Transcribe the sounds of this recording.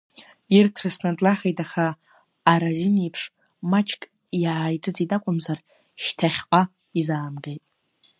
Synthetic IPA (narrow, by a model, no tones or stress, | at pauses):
irtʰrɨsnadlaχʲejtʼaχaː | ɾazinijpʰʂ | mat͡ʃʰʼkʼ | jaːjt͡sʼɨt͡sitʼakʷʼʊmzar | ʃtʰaχʲqʷʼa | izaːmɡejtʼ